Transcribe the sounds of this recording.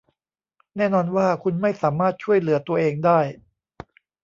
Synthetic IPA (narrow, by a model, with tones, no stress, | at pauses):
nɛː˥˩nɔː˧nwaː˥˩kʰu˧nma˥˩jsaː˩˦maː˥˩t̪̚t͡ɕʰu˥˩əjlɯ˩˦ɐt̪u˧ɐʔeː˧ŋdaː˥˩j